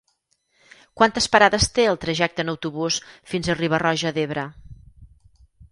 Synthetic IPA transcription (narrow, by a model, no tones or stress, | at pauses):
kwant̪əspəɾaðəst̪eəlˠt̪ɾəʒɛk̚t̪ənəwt̪uβusfinzəriβ̞ərɔʒəðeβ̞ɾə